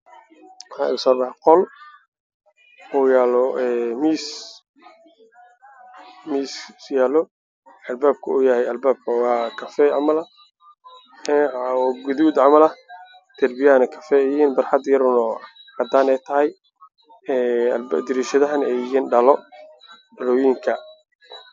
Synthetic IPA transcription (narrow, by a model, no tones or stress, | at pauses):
wħɑ̰ːɪʊsɔːbɑħqɔl | ɔːjaːlɔɛːmiːs | miːssjaːlɔ | ɐlbaːb̚kʰɐuːjɐhɛjɐlbaːb̚kʰɐwɑːkʰɐfɛʕɑmɐlɐ | ɛɡʊðuːd̪ʕɑmɐlɐ | t̪ʰɐrbɪjɐnɛkʰɐfɛjhiːnbɐrħɑd̪jɐɾʊnɔhɐd̪aːnɛt̪ʰɐɦɛj | ɛːlbd̪ɪɾiːʃɐðɐɦɐnɛhiːnɖɐlɔ | ɖɐlɔːjiŋkʰɐ